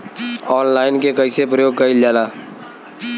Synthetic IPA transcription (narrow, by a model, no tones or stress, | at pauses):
ɔːnlaːɪnkekɐisep̬ɾəjoːɡ̚kəild͡ʒaːlaː